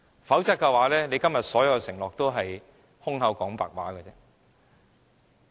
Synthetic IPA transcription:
fɐ˨˥wt͡sɐ˥tkɛ˧waː˨˥lɛː˥ne˨˧jkɐ˥mjɐ˨t̚sɔː˨˥jɐ˨˧wsɪ˨˩ŋlɔː˨k̚t̪o˥wɦɐ˨j | hʊ˥ŋɦɐ˨˧wkɔː˨˥ŋpa̰ː˨k̚waː˨˥kəː˧t͡sɛː˥

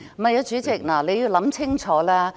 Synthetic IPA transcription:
mɐ˨jɐː˨˧˥t͡ʃyː˨˥t͡sɪ˨k̚naː˨˩le˨˧jiː˨˧wlɐ˨˥mt͡sʰɪ˥ŋt͡ʃʰɔː˨˥laː˥

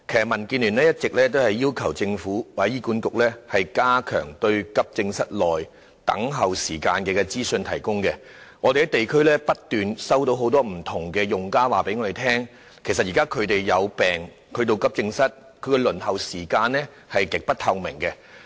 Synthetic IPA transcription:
kʰjɐ˨mɐ˨˩nkiː˧nlyː˨˩nlɛː˥jɐ˥t̚t͡sɪ˨k̚lɛː˥t̪̬o˥whɐ˨jːiː˥wkʰɐ˨˩wt͡sɪ˧ŋfuː˨˥waː˨˩˨jiː˥kuː˨˥nkʊ˨k̚lɛː˥hɐ˨jkaː˥kʰœ̰ː˨˩ŋt̪ɵ˧ɥkɐ˥p̚t͡sɪ˧ŋsɐ˥t̚lɔː˨j | t̪ɐ̰˨˥ŋɦɐ˨wsiː˨˩ka̰ː˧nkɛː˧kɛ˧t͡siː˥sɵ˧nt̪ʰɐ˨˩jkʊ˥ŋkɛ˧ | ŋɔ˨˧t̪e˨jkɛ˧t̪e˨jkʰɵ˥lɛː˥pɐ˥t̚t̪ːyː˨nsɐ˥wt̪o˧wɦo˨˥wt̪ɔː˥m̩˨˩t̪ʰʊ˨˩ŋkɛː˧jʊ˨ŋkaː˥waː˨pe˨˥jŋɔː˨˧e˨jt̪ʰɛː˥ŋ | kʰjsɐ˨t̚jiː˨kaː˥kʰɵ˨˧ɥt̪e˨jːɐ˨˧wpɛː˨˩ŋ | kʰɵ˨˧t̪o˧wkɐ˥p̚t͡sɪ˧ŋsɐ˥t̚ | kʰɵ˨˧ɥkɛ˧lɵ˨˩nɦɐ˨wsiː˨˩kaː˧nlɛː˥ | hɐ˨jkɪ˨k̚pɐ˥t̚t̪ʰɐ˧wmɪ˨˩ŋkɛ˧

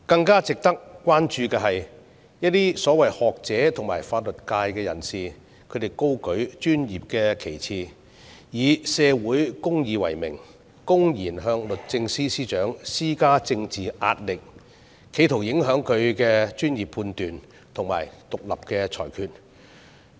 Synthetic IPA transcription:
kɐ˧ŋkaː˥t͡sɪ˨k̚t̪ɐ˥k̚kʷːwaː˥nt͡ʃyː˧kɛː˧ɦɐ˨j | jɐ˥t̚t̪iː˥sɔː˨˥wɐ˨jhɔː˨k̚t͡sɛː˨˥t̪ʰʊ˨˩ŋmaː˨˩jfaː˧t̚lɵ˨t̚kaː˧jkɛː˧jɐ̰˨˩nsiː˨ | kʰɵ˨˧ɥt̪e˨˩jko˥wkɵ˨˥ɥt͡ʃyː˥njiː˨p̚kɛː˧kʰe˨˩jt͡sʰiː˨ | jiː˨˧sɛː˧wuː˨˥jkʊ˥ŋjiː˨˧wɐ̰˨˩jmɪ̰˨˩ŋ | kʊ˥ŋjiː˨˩nɦœː˧ŋlɵ˨t̚t͡sɪ˧ŋsiː˥siː˥t͡ʃœː˨˥ŋsiː˥kaː˥t͡sɪ˧ŋt͡siː˨˩ʔa̰ː˧t̚lɪ˨k̚ | kʰːe˨˥jt̪ʰo˨˩wjɪ˨˥ŋɦœː˨˥ŋkʰɵ˨˧ɥkɛː˧t͡ʃyː˥njiː˨˩pʰːuː˧nt̪yː˨˩n | t̪ʰʊ˨˩ŋma̰ː˨˩jt̪ʊ˨k̚lɐ̰˨p̚kɛː˧t͡ʃʰɔ̰ː˨˩jkʰyː˨t̚

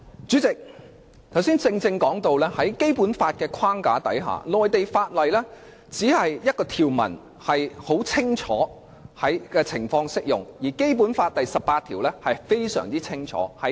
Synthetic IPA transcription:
t͡syː˨˥t͡sɪ˨k̚ | t̪ʰɐ˨˩wsiː˥nt͡sɪ˧ŋt͡sɪ˧ŋkɔː˨˥ŋt̪o˧wlɛː˥hɐ˨˥jke˥jpuː˨˥nfaː˧t̚kɛː˧kʰaː˥ŋkaː˨˥t̪ɐ˨˥jɦa̰ː˨˩lɔː˨jt̪e˨jfaː˧t̚lɐ˨jlɛ˥ | t͡siː˨˥hɐ˨jjɐ˥t̚kɔː˧t̪ʰiː˨wmɐ̰˨˩n | hɐ˨jho˨˥wt͡sʰɪ˥ŋt͡ʃʰɔː˨˥ | hɐ˨˥jkɛː˧t͡sʰɪ̰˨˩ŋfɔː˧ŋsɪ˥k̚jʊ̰˨ŋjiː˨˩ke˥jp̬uː˨˥nfaː˧t̚t̪ɐ˨jsɐ˨p̚paː˧t̪ʰiː˨˩wlɛ˥hɐ˨jfe˥jsœ̰ː˨˩ŋt͡siː˥t͡sʰɪ˥ŋt͡ʃʰɔ̰ː˨˥hɐ˨˧

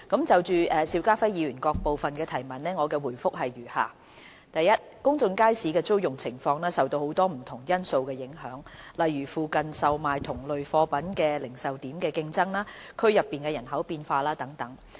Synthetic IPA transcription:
kɐ˨˥mt͡sɐ˨wt͡ʃyː˨ʔɛː˨siː˧wkaː˥fɐ˥jiː˨˧ɥyː˨˩nkɔː˧k̚po˨wfɐ˨˩nkɛː˧t̪ʰɐ˨˩jmɐ˨nnɛː˥ŋɔː˨˧kɛː˧wuː˨˩jfʊ˥k̚hɐ˨jɥyː˨˩ha̰ː˨ | t̪ɐ˨jɐ˥t̚kʊ˥ŋt͡sʊ˧ŋkaː˥jsiː˨˥kɛː˧t͡so˥wjʊ˨ŋt͡sʰɪ˨˩ŋfɔː˧ŋnɛː˥sɐ˨wt̪o˧who˨˥wt̪ɔː˥m̩˨˩t̪ʰʊ˨˩ŋjɐ˥nso˧wkɛː˧jɪ˨˥ŋɦœː˨˥ŋlɐ˨jyː˨˩fuː˨kɐ˨nsɐ˨wmaː˨jt̪ʰʊ˨˩ŋlɵ˨ɥfɔː˧pɐ˨˥nkɛː˧lɪ˨˩ŋsɐ˨wt̪iː˨˥mkɛː˧kɪ˧ŋt͡sɐ˥ŋlaː˥kʰɵ˥ɥjɐ˨pːiː˨nkɛː˧jɐ˨˩nɦɐ˨˥wpiː˧nfaː˧laː˥t̪ɐ˨˥ŋt̪ɐ˨˥ŋ

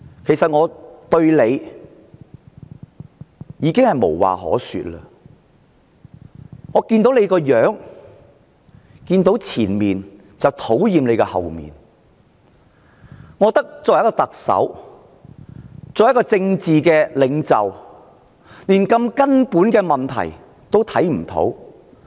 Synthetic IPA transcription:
kʰe˨˩jsɐ˨t̚ŋɔː˨˧t̪ɵ˧ɥle˨˧j | jiː˨˧kɪ˥ŋhɐ˨jmo̰˨˩wwa̰ː˨hɔ̰ː˨˥sy̰ː˨t̚lə̰ː˧ | ŋɔː˨˧kiː˧nt̪o˨˥wle˨˧jkɔː˧jœː˨˥ŋ | kiː˧nt̪o˨˥wt͡sʰiː˨˩nmiː˨n | t͡sɐ˨wt̪ʰo˨˥wjiː˨mle˨˧jkɛ˧hɐ̰˨˩wmḭː˨n | ŋɔː˨˧t̪ɐ˥k̚t͡sɔː˨jkːɔː˧t̪ɐ˨k̚sɐ̰˨˥w | t͡sɔː˨jɐ˥kɔː˧t͡sɪ˧ŋt͡siː˨kɛː˧lɪ˨˧ŋt͡sɐ˨w | liː˨˩nkɐ˧mkɐ˥npuː˨˥nkɛː˧mɐ˨nt̪ʰɐ̰˨˩j | t̪o˥wt̪ʰɐ˨˥jm̩˨˩t̪ʰo̰˨˥w

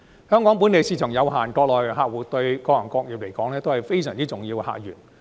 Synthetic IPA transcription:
hœː˥ŋkɔː˨˥ŋp̬u˨˥ne˨˧jsiː˧˩t͡ʃʰœː˨˩ŋjɐ˨˧wɦaː˨˩nkɔː˧k̚lɔː˨˩jːɦaː˧k̚wuː˨˥t̪ɵ˧ɥkɔː˧jɐ˨˩ŋkɔː˧k̚jiː˨p̚le˨˩jkɔː˨˥ŋlɛː˥t̪o˥whɐ˨jfe˥jsœː˨˩ŋt͡siː˥t͡sʊ˨˩ŋjiː˧wha̰ː˨k̚jy̰ː˨˩n

